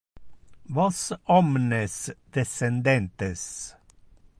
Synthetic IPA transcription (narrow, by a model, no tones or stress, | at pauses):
vɔsɔmnəsd̪̥ɛsɛnd̪ɛnt̪əs